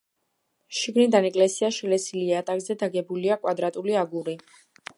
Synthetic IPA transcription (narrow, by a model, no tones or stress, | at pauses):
ʃiɡnid̪anɛkʼlɛsiaʃilɛsiliat̪ʼakʼzɛd̪aɡɛbuliakʼwad̪ɾat̪ʼuliaɡuɾi